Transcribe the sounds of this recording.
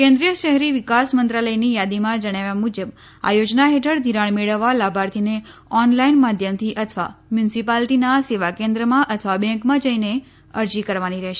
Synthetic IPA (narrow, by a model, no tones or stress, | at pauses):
kɛ̃nd̪ɾijəʃəɦɾiʋɪkasmənt̪ɾaləjnijad̪imãd͡ʒəɽ̃aʋjamud͡ʒəb | a̰jod͡ʒnaɦeʈʰəɽd̪ʱiɾaɳ̃meɭəʋːalabʱaɾt̪ʰine | ɔnlainmad̪ʱjəmt̪ʰiʔət̪ʰʋa̰mjunsipalʈinaseʋakẽnd̪ɾəmãʔət̪ʰʋabɛ̃ŋkmãd͡ʒəine | əɾd͡ʒikəɾʋaniɾɛɦʃe